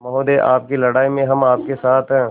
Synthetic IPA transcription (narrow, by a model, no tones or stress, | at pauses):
mɐɦoːd̪eːʔa̰ːp̚kilɐɽaːimẽɦɐmaːp̚kesaːt̪ʰɦɛ̃